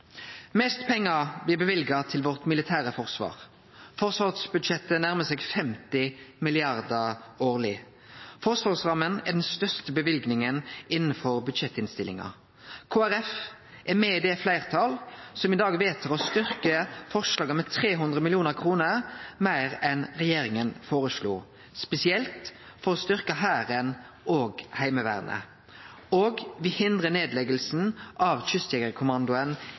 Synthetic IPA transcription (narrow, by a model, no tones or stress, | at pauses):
mɛst̪pʰɛŋːɑblɪːbəʋɪlɡɑt̪ʰɪlʋɔʁt̪mɪlɪt̪ʰæːʁəfɔʁsʋɑ̰ːʁ | fɔʁsʋɑːʁsbʉd̪ʃɛt̪ːənæʁməsɛːɡfɛmt̪ɪmɪlɪɑʁd̪əoːʁlɪ | fɔʁsʋɑːʁsʁɑmənɛʁd̪ɛnst̪œʁst̪əbəʋɪlɡnɪŋənɪnːəfɔʁbʉd̪ʃɛt̪ːɪnst̪ɪlːɪ̰ŋɑ̰ | kʰoːæʁɛf | ʔɛʁmeːiːd̪ɛflæɪʁt̪ʰɑlsɔmɪd̪ɑːɡʋeːt̪ʰəʁɔst̪ʏʁkəfɔʁʂlɑːɡəmɛt̪ʰʁeːɦʉnd̪ʁəmɪlɪuːnəʁkʰʁuːnəɾmæɪʁɛnʁɛjeːɾɪŋənfoːʁəʃlṵː | spɛsɪɛlt̪ | fɔɾɔst̪ʏʁkəɦæːɾən | ʔoːɡhæɪməʋæ̰ːʁnʔə̰ | oːɡʋɪhɪnd̪ʁəneːd̪lɛɡəlsn̩ʔɑʋçʏst̪jɛɡəʁkʰʊmɑnd̪ʊən